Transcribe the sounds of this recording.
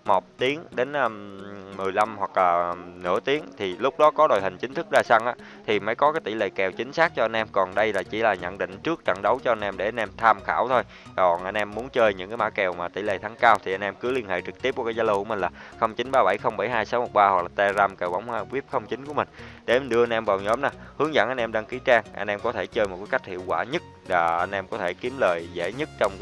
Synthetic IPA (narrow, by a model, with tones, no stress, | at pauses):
mo˨˩t̚t̪i˨˦əŋɗe˨˦nʔːmɨ˨˩əjla˧mhwa˨˩k̚laː˨˩nɨ̰˧˥ət̪i˨˦əŋt̪ʰi˨˩lʊ˦˥k͡p̚ɗɔ˨˦kɔ˨˦ɗo˨˩jhï˨˩ŋ̟t͡ɕï˨˦ŋ̟t̪ʰɨ˦˥k̚zaː˧sa˧ŋʔaː˨˦ | t̪ʰi˨˩məː˨˦jkɔ˨˦kaː˨˦jt̪ḭ˧˩lḛ˧˨jkɛ˨˩wt͡ɕï˨˦ŋ̟saː˦˥k̚t͡ɕɔ˧ʔa˧nʔɛ˧mkɔ˨˩nɗə˧jlaː˨˩t͡ɕḭ˧˩laː˨˩ɲə̰˧˨nɗḭ̈˧˨ŋ̟t͡ɕɨ˦˥ək̚t͡ɕa̰˧˨ŋɗə˨˦wt͡ɕɔ˧ʔnʔɛ˧mɗe˧˩ʔa˧nʔɛ˧mt̪ʰaː˧mxaː˧˩wt̪ʰo˧j | kɔ˨˩nʔa˧jnʔɛ˧mːu˨˦ənt͡ɕəː˧jɲɨ̰˧˥ŋkaː˨˦jmaː˧˥kɛ˨˩wmaː˨˩t̪ḭ˧˩ləː˨˩jt̪ʰa˨˦ŋkaː˧wt̪ʰi˨˩ʔa˧nʔɛ˧mkɨ˨˦li˧ənhḛ˧˨jt͡ɕɨ˨˩k̚t̪i˦˥p̚ku˧˩kːaː˨˦jzaː˧lkəmi˨˩ŋ̟laː˨˩xə˧wŋ͡mt͡ɕï˨˦nɓaː˧ɓa˧˩jxə˧wŋ͡mɓa˧˩jɦaː˧jsaː˨˦wmo˨˩t̚ɓaː˧hwa˨˩k̚laː˨˩t̪e˧zaː˧mke˨˩wɓa̰˧˩wŋ͡ma˧˩kwi˦˥əp̚xə˧wŋ͡mt͡ɕï˨˦ŋ̟ku˧˩əmï˨˩ŋ̟ɗe˧˩˦mi˨˩nɗɨ˧əa˧nʔɛ˧mvaː˨˩wɲɔ˨˦mnaː˨˩hɨ˨˦əŋzə̰˧˩nʔa˧jnʔɛ˧mɗaː˧ŋki˨˦t͡ɕaː˧ŋʔa̰˧jnʔɛ˧mkɔ˨˦t̪ʰe˧˩t͡ɕəː˧jm˨˩t̚kaː˨˦jka˦˥k̟̚hḭ˧˨əwkwaː˧˩ɲə˦˥t̚laː˨˩ʔa˧nʔɛ˧mkɔ˨˦t̪ʰe˧˩ki˨˦mləː˨˩jzḛ˧˩˥ɲə˦˥t̚t͡ɕɔ˧wŋ͡m